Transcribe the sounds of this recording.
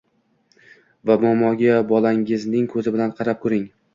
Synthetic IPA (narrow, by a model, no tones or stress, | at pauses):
vamɒmɒɡʲabɒlˠaŋɪznɪŋkʰɵzɪbɪlanqʰɑɾap̚kʰɵɾɪŋ